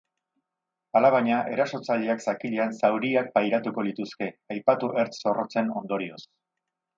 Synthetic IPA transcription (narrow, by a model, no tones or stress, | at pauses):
alaβaɲaʔe̞ɾaso̞t͡saʎe̞aksakiʎeansawɾiak̚pajɾat̪uko̞lit̪uske̞ajpat̪uʔe̞ɾt͡sso̞ro̞t͡se̞no̞nd̪o̞ɾio̞s